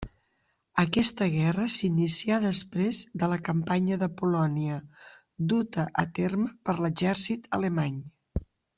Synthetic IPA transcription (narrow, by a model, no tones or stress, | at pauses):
əkɛst̪əɣɛrəsinisiaðəspɾezðələkəmpaɲəðəpulɔniə | d̪ut̪əʔət̪erməpəɾləzɛɾsit̪ələmaɲ